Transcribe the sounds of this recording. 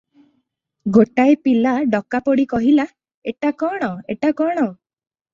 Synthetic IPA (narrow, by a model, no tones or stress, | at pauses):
ɡoʈajpilaɖɔkapɔɽikɔɦila | eʈakɔɽ̃ɔḛʈakɔɽ̃ɔ